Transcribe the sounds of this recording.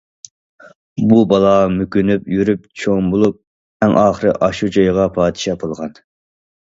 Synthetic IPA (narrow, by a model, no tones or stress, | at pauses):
bubɑlˠɑmykʲynypjyɾyp̚t͡ʃʰoŋbolˠup̚ | ɛŋʔɑːχəɾɪ̰ʔɑʃud͡ʒɑjʁɑpʰɑːd̪ɪ̥ʃɑpʰolˠʁɑn